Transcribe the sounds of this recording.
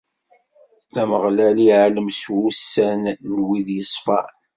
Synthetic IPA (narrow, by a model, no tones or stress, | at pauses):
læməʁlæliʕaləmswusːænlwiðjəsˤfɑ